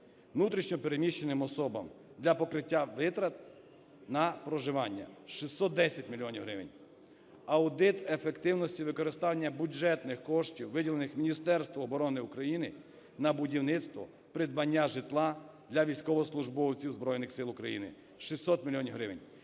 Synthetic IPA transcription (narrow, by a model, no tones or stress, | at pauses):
ʋnut̪ɾʲiʃnɔpeɾemʲiʃt͡ʃenɪmɔsɔbɐ̰m | d̪lʲɐpɔkɾɪtʲːaʋɪt̪ɾɐt̪̚ | nɐpɾɔʒɪʋɑnʲːɐ̰ʃisʲːɔt̪̚d̪ɛsʲɐtʲmʲilʲijɔnʲiwɦɾɪʋḛnʲ | ɐwd̪ɪt̪efekt̪ɪwnɔsʲtʲiʋɪkɔɾɪst̪ɑnʲːɐbʲjud͡ʒɛt̪nɪxkɔʃtʲiwʋɪdʲilˠenɪxmʲinʲist̪ɛɾst̪ʋɐːbɔɾɔnɪukɾɐjinɪ | nɐbʊdʲiwnɪt̪st̪ʋɔ̰ | pɾɪd̪bɐnʲːaʒɪt̪lˠɑ | d̪lʲɐʋʲijsʲkɔʋɔɔslˠʊʒbɔwt͡sʲiwzbɾɔjnɪxsɪlˠʊkɾɐjḭnɪ̰ | ʃisʲːɔt̪mʲilʲijɔnʲiwɦɾɪʋenʲ